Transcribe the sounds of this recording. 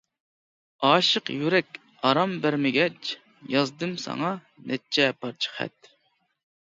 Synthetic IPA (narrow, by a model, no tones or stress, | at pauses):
ɑːʃəqjyɾɛkʲ | ɑɾɑmbæɾmɪɡʲɛt͡ʃ | jɑzd̪ɨmsɑ̰ŋɑ | nʔɛt͡ʃʰɛpʰɑɾt͡ʃʰə̥χɛ̰t̪̚